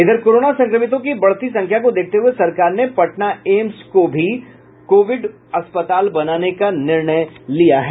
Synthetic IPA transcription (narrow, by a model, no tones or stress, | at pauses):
ɪd̪ʱəɾkoːɾoːnasɐ̃ŋkɾəmɪt̪̬õkibɐɽ̤t̪isɐ̃ŋkʰjakod̪eːk̚ʰt̪eɦʊesɐɾkaːɾnepɐʈnaeːmskobʱi | koːʋɪɖ | ɐspət̪aːlbɐnaːnekanɪɾɳəjlijaɦɛː